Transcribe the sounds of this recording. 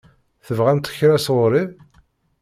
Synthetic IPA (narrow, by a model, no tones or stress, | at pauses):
θəvʁænt̪ə̥çɾæsʊɾið